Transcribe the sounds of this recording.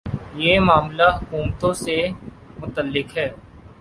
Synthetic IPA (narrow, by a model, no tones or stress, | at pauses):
jeːmaːmlaɦʊkuːmt̪õse | mʊt̪əlːɪkɦɛː